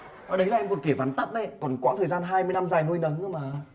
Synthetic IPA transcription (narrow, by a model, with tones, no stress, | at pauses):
ʔə˨˩ɗə˨˦jlaː˨˩ʔɛ˧mko˨˩ki˧˩vaː˨˦nt̪a˦˥t̚ɗə˧˦jkɔ˨˩nkwa̰ː˧˥t̪ʰəː˨˩jzaː˧nɦaː˧jmɨ˧jna˧mzaː˨˩jnu˧jnə˨˦ŋə˧wmaː˨˩